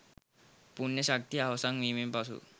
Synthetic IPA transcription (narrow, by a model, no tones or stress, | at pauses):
puɳjəɕak̚t̪iaʋsaŋʋimipasṵː